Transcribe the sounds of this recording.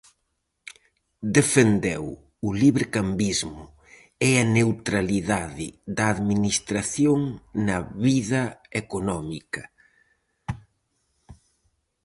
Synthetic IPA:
d̪efend̪ɛw | ʊliβeɾkambizmʊ | ɛɐnewt̪ɾaliðaðɪ̰ðɐːðminist̪ɾaθjoŋnɐβiðɐekonɔmikɐ

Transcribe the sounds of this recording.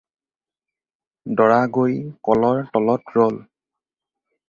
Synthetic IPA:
dɔɹaɡojkɔlɔɹtɔlɔtɹɔl

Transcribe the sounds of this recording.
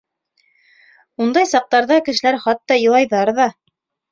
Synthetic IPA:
und̪ɑjsɑq̚t̪ɑɾðɑkɘ̆ʃɘ̆læɾχɑt̪ːɑjɤ̆lˠɑjðɑɾðɑ

